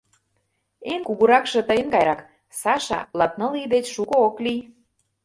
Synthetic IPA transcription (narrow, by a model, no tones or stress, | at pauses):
enkuɣuɾɑkʃɤ̆t̪əjə̆nkɑjɾɑk | sɑʃɑ̰lɑt̪̚nɤ̆lid̪et͡ɕʃukooklij